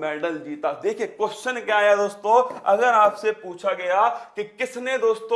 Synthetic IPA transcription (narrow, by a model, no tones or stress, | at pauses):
mɛːɖəld͡ʒiːt̪ad̪eːkʰiekwɛsʃənkjaːjad̪oːst̪õɐ̰ɡəɾaːpsepuːt͡ʃʰaɡɐjakikɪsnẽd̪oːst̪õ